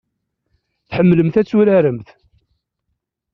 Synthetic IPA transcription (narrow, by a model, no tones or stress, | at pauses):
θħəmːləmθæt͡sːuɾæɾəmθ